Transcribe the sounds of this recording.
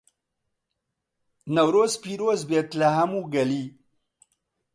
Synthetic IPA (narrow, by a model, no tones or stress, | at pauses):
nawɾospiɾozbet̪laɦamuɡali